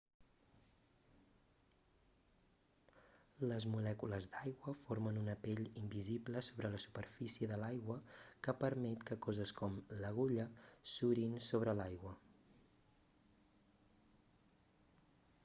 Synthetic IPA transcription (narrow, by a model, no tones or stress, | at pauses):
ləzmulɛkuləzd̪ajɣwəfoɾmənunəpeʎimbizibləsoβɾələsu̥pəɾfisiəðəlajɣwəkəpəɾmɛt̪kəkɔzəskɔmləɣuʎəsuɾinsoβ̞ɾəlajɣwə